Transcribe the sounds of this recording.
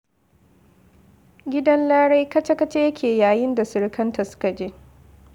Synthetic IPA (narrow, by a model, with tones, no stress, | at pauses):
ɡʲɪ˦dɐ˦nlaː˦ɽa˦jkɐ˦t͡ʃɐ˦kɐ˦t͡ʃe˦jɐ˦kʰʲeː˨jaː˨jɪ˦nda˨sɪ˨ɽkʰɐ˦nta˨sʊ̥˦ka˨d͡ʒeː˦